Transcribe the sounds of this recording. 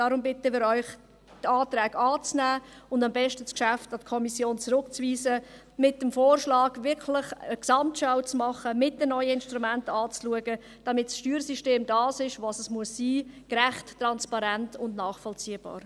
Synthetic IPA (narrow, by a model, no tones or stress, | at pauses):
d̥ɑːɾʊmbɪtəmɪːɾɔʏχ | tɑːtɾɛːɡɑːt͡snæːʊndɑmbɛʃtəskʃæftɑtkʰɔmisjoːnt͡sɾʊkt͡sviːsə | mɪt̚dəmfoːrʃlɑːɡʋɪɾkʰlɪχəksɑmtʃaʊt͡smɑχəmɪt̚dənɔʏəɪnʃtɾumæntɑːt͡sluəɡə | d̥ɑmɪtsʃtyːɾsiʃteːmdɑːsɪʃʋɑːsəsmuəsːiːkɾæχtːɾɑnspɑɾæntʊndnɑːχfɔlt͡siːəb̥ɑ̰ːɾ